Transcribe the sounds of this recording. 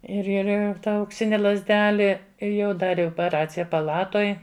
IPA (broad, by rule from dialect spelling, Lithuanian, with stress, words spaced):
ɪr ɪr ˈɪr ˈtɐ ɐʊkˈsʲɪnʲɪ lˠɐzʲˈdʲæːlʲɪ ˈɪr jɛʊ ˈdɑːrʲɪ oːpʲɛˈrɑːt͡sʲɪjɛ pɐˈlˠɑːtoːj